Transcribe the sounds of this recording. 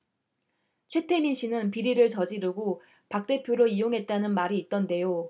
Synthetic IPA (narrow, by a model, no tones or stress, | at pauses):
t͡ɕʰwe̞tʰe̞miɕʰinɯnpiɾiɾɯɭt͡ɕʌd͡ʑiɾɯɡo | pak̚t͈e̞pʰjoɾoijoŋɦe̞t̚t͈anɯnmaɾiːt̚t͈ʌnde̞jo